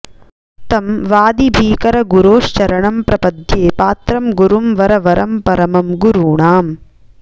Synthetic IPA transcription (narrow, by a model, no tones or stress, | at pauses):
t̪ɐmʋaːd̪ibʱiːkɐɾɐɡuɾoːʂt͡ʃɐɾɐɳɐmpɾɐpɐd̪jeːpaːt̪ɾɐmɡuɾumʋɐɾɐʋɐɾʔɐmpɐɾɐmɐmɡuɾuːɳaːm